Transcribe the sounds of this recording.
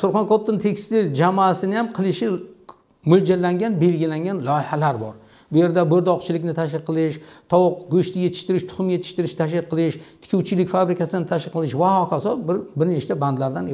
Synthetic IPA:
sʊɾχɒnkot̪ʰːɪnt̪ʰekʲst̪ɪld͡ʒamɒːsɪnɪjamqʰɨlˠɪʃɪ | mʊld͡ʒalːaŋɡʲanbe̞lɡʲɪlaŋʲanlˠɒjɪhalaɾbɒɾ | bʊje̞ɾd̪abɵɾd̪ɒqt͡ʃʰɪlɪkʲnɪt̪ʰaʃ̬kʲɪqʰːɨlˠɪʃt̪ʰɒwʊqɡɵʃt̪ʰɪje̞t̪ʰɪ̥ʃt̪ɪɾɪʃt̪ʰʊ̥χʊmje̞t̪ʰɪ̥ʃt̪ɪɾɪʃt̪ʰaʃ̬ʲɪqʰːɨlˠɪʃt̪ʰɪ̥kʲʰuwt͡ʃʰɪlɪkʲfabɾɪkʲasɪnɪt̪ʰaʃʲɪqʰːɨlˠɪʃvahɒkʰasɒbɪɾbɪɾnet͡ʃt͡ʃ̪aband̪laɾd̪an

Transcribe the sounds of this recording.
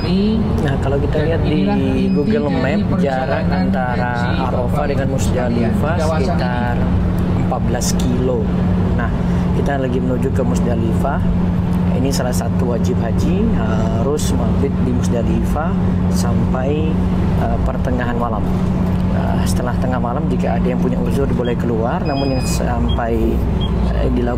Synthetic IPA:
nahkalawkit̪aliɦat̪̚di | ɡuɡəlmɛp̚d͡ʒaɾat̪ant̪aɾa | aɾofadəŋanmusdalifasəkit̪a | r | əmpat̪̚bəlaskilo | nah | kit̪alaɡimənud͡ʒukəmusdalifa | ḭnisalahsat̪uwad͡ʒɪp̚ɦad͡ʒi | ɦa | ɾʊsmafɪt̪̚dimusdalifa | sampaj | əpərt̪əŋaɦanmalam | ə̰ | sə̥t̪əlaht̪əŋahmalamd͡ʒikaːdajaŋpuɲaʔuzʊrdibolɛhkəluarnamʊnjaŋsampaj | dila

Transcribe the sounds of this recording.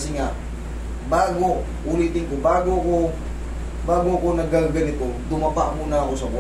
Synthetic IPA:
siŋaʔ | baɡo | ulit̪ɪŋkobaɡoako | baɡoakonaɡalɡanit̪ot̪ʊmapaʔmunaosab

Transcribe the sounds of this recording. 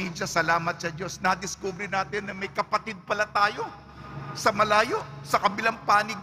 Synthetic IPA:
iːd͡ʒɐsɐlaːmɐt̪̚sɐd͡ʒo̞snɐd̪ɪskuːbɾɪnaːt̪ɪnːɐmɐjkɐpɐt̪ɪd̪̚pɐlat̪aːjo̞ | sɐmɐlaːjo̞ʔsɐkɐbɪlaŋpaːnɪɡ

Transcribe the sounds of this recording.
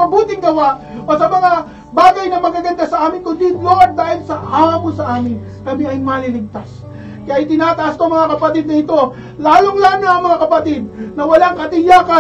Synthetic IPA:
ɐbuːt̪ɪŋɡɐwaʔʔosɐmɐŋa | baːɡɐjnɐmɐɡ̚kaɡɐnd̪asɐʔaːmɪnkʊnd̪inlod̪̚d̪aːhɪlsɐʔaːmosɐʔaːmɪn | kɐmiɐjmalɪlɪɡ̚t̪as | kɐjajt̪ɪnaːt̪ɐʔask̪oɐŋmɐŋakɐpɐt̪ɪd̪̚nɐɪt̪o̞ | laːloŋlannaʔɐŋmɐŋakɐpɐt̪ɪd̪̚nɐwɐlaŋkɐt̪ɪjaːka

